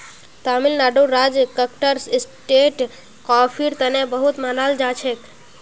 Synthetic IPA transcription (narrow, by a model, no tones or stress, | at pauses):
t̪amɪlnaɖuɾːad͡ʒkəkʈəɾsɪsʈeʈ | kɔpʰiɾt̪ənebəɦut̪manald͡ʒat͡ʃʰek